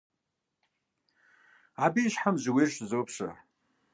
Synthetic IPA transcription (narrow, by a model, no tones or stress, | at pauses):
abiʃħamzwirʃzowpʰʂʷa̰